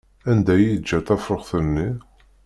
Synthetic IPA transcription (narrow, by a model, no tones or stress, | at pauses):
ænd̪æjid͡ʒːæt̪æfəʁθənːi